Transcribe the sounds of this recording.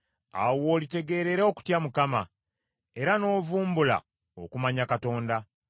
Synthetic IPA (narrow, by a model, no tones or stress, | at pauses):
a̰wo̞ːlite̞ɡe̞ɾe̞ɾeo̞ku̥tjamukama | e̞ɾano̞ːvuːmbula̰ | o̰kumaɲakato̞ːnda